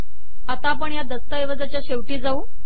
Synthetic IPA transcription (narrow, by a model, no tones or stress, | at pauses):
at̪aːpəɳjad̪əst̪əeʋəd͡zat͡ɕjaɕeʋʈiːd͡zauː